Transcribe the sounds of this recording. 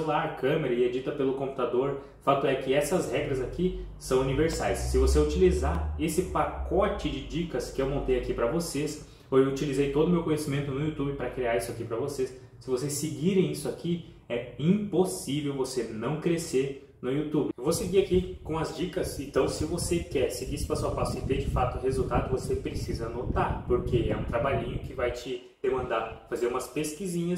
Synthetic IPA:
eulaɾkɐ̃meɾɐied͡ʒit̪ɐpelʊkõput̪ad̪oɾ | fak̚t̪ʊɛkɪɛsɐzhɛɡɾɐzaki | sɐ̃w̃univeɾsajsːɪvoseut͡ʃilizaɾesɪpakɔt͡ʃɪd͡ʒɪd͡ʒikɐskɪewmõnt̪ejakipɾɐvoses | owewut͡ʃilizejt̪od̪ʊmewkõɲesimẽnt̪ʊnʊiut̪ubɪpɾɐkɾiaɾisʊakipɾɐvosesː | ɪvosesːɪɡiɾẽj̃isʊaki | ɛĩposivewvosenɐ̃w̃kɾeseɾ | nʊjut̪ubɪewvoseɡiakikõɐzd͡ʒikɐsẽnt̪ɐ̃w̃sɪvosekɛɾseɡiisɪ̥pasawpasʊɪt̪ed͡ʒɪfat̪ʊhezut̪ad̪ʊvosepɾesizɐnot̪aɾpoɾkeɛ̰ũt̪ɾabaʎĩɲʊkɪvajt͡ʃɪ | d̪̥emɐ̃nd̪afazeɾũmɐspeskizĩɲɐ

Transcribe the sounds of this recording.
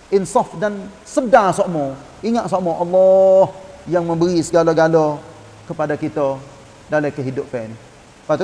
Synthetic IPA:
ʔɪnsɔfdan | sədasɔʔmɔ | iŋaʔ̪sɔʔmɔʔɑlːɔhjaŋmə̃mbəɾisəɡaloɡalo | kəpadakit̪ə | dalakəɦidʊpːɛn | pat̪u

